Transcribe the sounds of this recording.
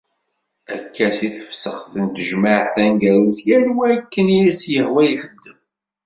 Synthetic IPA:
ækʰːæsiθə̥fsəχθənt̪əʒmaʕθænɡæɾuθjælwækːəniisjəhwæjixəd̪ːəm

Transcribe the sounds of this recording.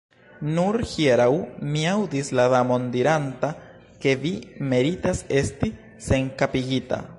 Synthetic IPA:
nuɾhieɾawmiawdislaðamo̞ndiɾanta | ke̞vime̞ɾitase̞sti | se̞ŋkapiɡita̰

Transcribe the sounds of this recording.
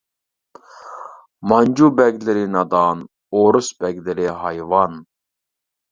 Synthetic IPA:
mɑnd͡ʒubɛɡʲlɪɾɪnɑd̪ɑn | oɾusbɛɡʲlɪɾɪɦɑjvɑn

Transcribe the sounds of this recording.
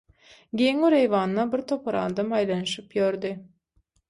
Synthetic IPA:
ɡʲeŋuɾejvɑːnːɑbiɾt̪ʰo̞pʰɑɾɑ̰ːd̪ɑmɑjlˠɑnɯʃɯpjøɾd̪i

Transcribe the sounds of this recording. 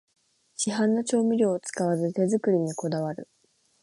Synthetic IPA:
ɕiɦãnːat͡ɕo̞ːmʲiɾʲo̞ːt͡sɨ̥kaβazɨt̪e̞zɨkɯ̟ɾʲiɲ̟iko̞d̪aβaɾɯ̟

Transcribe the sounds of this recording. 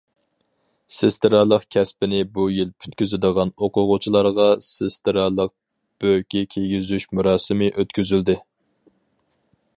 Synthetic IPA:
sest̪ɨɾɑlˠəqkʲʰɛspɪnɪbujilpʰy̥t̪kʲyzɪd̪əʁɑnoqʊʁʊt͡ʃʰilˠɑɾʁɑsest̪ɾɑlˠəq̚ | b̥økʲɛkʲʰeɡʲizyʃmuɾɑːsɨmɪʔøt̪kʲʰyzyld̪ɪ

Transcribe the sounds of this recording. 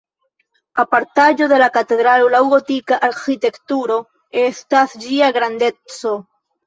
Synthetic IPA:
apaɾtad͡ʒo̞ðe̞lakat̪e̞dɾalolawɡotikaʔaɾxit̪e̞kt̪uɾo̞ | e̞stasd͡ʒiaɡɾande̞t͡so̞

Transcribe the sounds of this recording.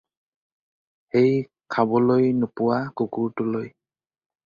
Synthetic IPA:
xej | kʰabɔlojnʊpʊwakukuɹtʊloj

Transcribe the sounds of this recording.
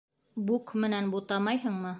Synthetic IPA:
bukmɘ̆nænbut̪ɑmɑjɦɤɴmɤ

